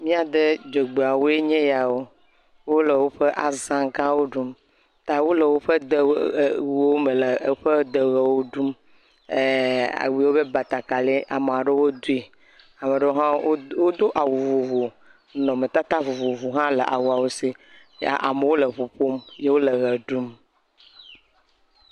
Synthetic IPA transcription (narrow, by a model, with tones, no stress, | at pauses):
mĩ˦a˨d̪e˦d͡ʒe˨ɡ͡be˨a˨wo˦e˦ɲẽ˦ja˨wo˦ | wo˦lə˨wo˦ɸe˦ʔa˨zã˦ɡã˦wo˦ɖu˦m | t̪a˨wo˦lə˨wo˦ɸə˦d̪ə˨wo˦me˨lə˨˦ɸe˦d̪ə˨ɣe˨wo˦ɖu˦m˨ | a̰˨wi˨˦wo˦be˦ba˨t̪a˨ka˨le˦ʔa˨m˨a˨ɖe˦wo˦d̪u˦e˨ | a˨me˨ɖe˦wo˦ɦã˦o˦wo˦d̪o˦ʔa˨wu˨vo˨vo˨ | nɔ̃˨me˨t̪a˦t̪a˦vu˨vo˨vu˨ɦã˦lə˨ʔa̰˨wu˦a˨wo˦sḛ˦˨ | ʔa̰˨me˨wo˦lə˨βu˨ɸo˦mje˦wo˦lə˨ɣə˨ɖu˦m